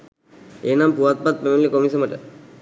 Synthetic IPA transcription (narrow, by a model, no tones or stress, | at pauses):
eːnampuʋat̪̚pat̪̚pemenlikomiseməʈə̰